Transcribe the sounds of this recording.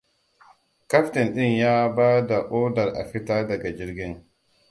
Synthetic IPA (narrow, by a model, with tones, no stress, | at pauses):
ka˦ɸtɛ˨nɗɪ˦ŋjaː˦baː˦da˨ʔoː˦dɐ˨ɾʔa̰˨ɸɪ˦taː˦dɐ˨ɡa˨d͡ʒɪ˦ɾɡʲɪ˦ŋ